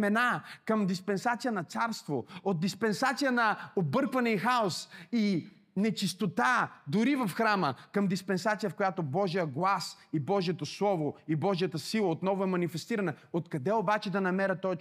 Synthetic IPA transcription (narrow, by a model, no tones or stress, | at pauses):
mɛnakəmd̪ispɛnsat̪sijənɐt̪saɾst̪vood̪̚d̪ispɛnsat̪sijənɐobɤɾkvɐnɛixaosi | nɛt͡ʃist̪ot̪ad̪ʊɾivɐfxɾaməkɐmd̪ispɛnsat̪sijəfkojat̪obɔʒijəɡlˠas | ibɔʒijɛt̪oslˠɔvoibɔʒijət̪əsilˠəot̪nɔvoɛmɐnifɛst̪iɾɐnɛot̪kɐd̪ɛobat͡ʃɛd̪ɐnɐmɛɾət̪ɔt͡ʃ